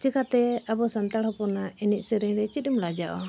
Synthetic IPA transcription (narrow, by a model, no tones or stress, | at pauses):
t͡ʃɛkat̪ɛabɔsant̪aɽhɔpɔnaɛniʔ̚ˀsɛɾɛŋɾɛt͡ʃit̪imlad͡ʒaʔɔ